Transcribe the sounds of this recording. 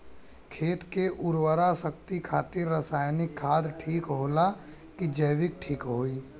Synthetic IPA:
kʰeːt̪keʔʊɾwəɾasək̚t̪ikʰaːt̪ɪɾːəsaːjnɪkʰːaːd̪ʈʰiːkɦoːla | kid͡ʒəɪʋɪk̚ʈʰiːkɦoːiː

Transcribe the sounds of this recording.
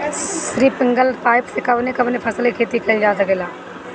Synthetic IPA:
sɾiːpɪ̃ŋɡəlpaːɪpsekəbnekəbneːpʰəsəlikʰeːt̪ikɐid͡ʒaːs̬əkeːlaː

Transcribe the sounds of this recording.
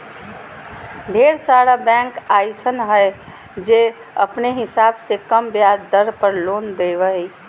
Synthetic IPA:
ɖʱeːɾsaːɽabɛ̃ːŋkaːɪsənɦɛɪ | d͡ʒeː | əpneɦɪsaːbsekəmbjaːdd̪əɾpəɾloːnd̪eːʋəi

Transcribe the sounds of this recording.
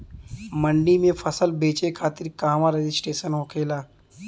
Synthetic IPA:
məɳɖimẽfʰəsəlbeːt͡ʃekʰaːt̪ɪɾkaːmãɾed͡ʒɪsʈeːʃənɦokʰeːlaː

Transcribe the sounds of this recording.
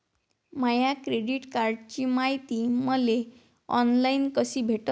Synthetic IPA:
majakɾeɽiʈkaɾɖt͡ɕimajt̪iməle | ɔ̰nlainkəsiːbʱeʈ

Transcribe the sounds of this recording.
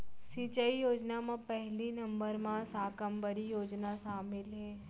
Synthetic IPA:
siːt͡ʃəijoːd͡ʒnamãpɛɦlinɐ̃mbəɾmãsaːkəmbəɾijoːd͡ʒnaʃaːmɪlɦɛː

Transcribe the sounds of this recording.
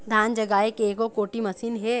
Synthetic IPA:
d̪ʱaːnd͡ʒɐɡaːekeːkokoːʈimɐsiːnɦɛː

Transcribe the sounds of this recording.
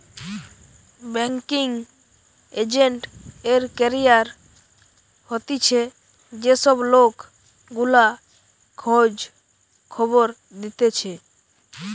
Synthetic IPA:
bɛŋkiŋ | ed͡ʒeɳʈeɾkɛɾijaɾ | hot̪it͡ʃʰe | d͡ʒesɔblok | ɡula | kʰod͡ʒ | kʰɔboɾ | d̪it̪et͡ʃʰe

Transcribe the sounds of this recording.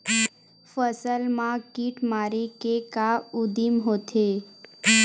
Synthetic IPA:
fəsəlmãkiʈmaɾekekaʊd̪imɦot̪ʰe

